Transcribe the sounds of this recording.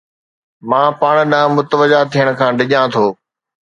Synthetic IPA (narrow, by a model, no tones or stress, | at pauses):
mãːpaːɽ̃ɗãːmʊt̪əʋəd͡ʒaːt̪ʰijəɽ̃̆kʰãːɗɪʄãːt̪ʰoː